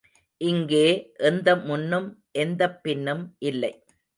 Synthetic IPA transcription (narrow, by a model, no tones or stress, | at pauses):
ʔɪŋɡeːʔɛnd̪ɐmʊnːɯmʔɛnd̪ɐpːɪnːɯmʔɪlːɐɪ